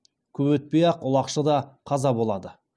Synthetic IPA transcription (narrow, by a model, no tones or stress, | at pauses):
kʲʰɵbɵt̪̚pejɑqʊlˠɑqʃəd̪ɑqʰɑzɑbo̞lˠɑd̪ə